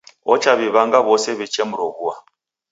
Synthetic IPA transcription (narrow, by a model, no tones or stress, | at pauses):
ɔt͡ʃaβiβaŋɡaβɔsɛβit͡ʃɛmuɾɔβua